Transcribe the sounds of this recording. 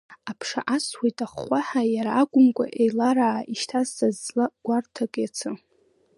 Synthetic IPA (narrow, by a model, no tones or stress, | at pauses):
apʰʂa̰ʔaswejtʼaχːʷaħajaɾaːɡʷʼʊmkʷʼa̰ʔejlaɾaʕiʃtʰazːazlaɡ̥ʷartʰakʼjat͡sʰɨ